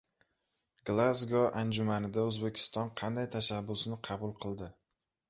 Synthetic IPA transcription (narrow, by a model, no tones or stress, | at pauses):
ɡlˠazɡɒʔand͡ʒʊmanɪd̪aɵzbekʲʰɪ̥st̪ɒnqʰɑnd̪ajt̪ʰaʃabːʊsnɪqʰɑbʊlˠqʰɨlˠd̪ɪ